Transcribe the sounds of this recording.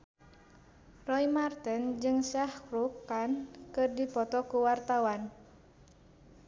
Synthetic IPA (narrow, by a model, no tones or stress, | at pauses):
rɔjmart̪ənd͡ʒɨŋsahkɾukːankɨrdipɔt̪ɔkuwart̪awan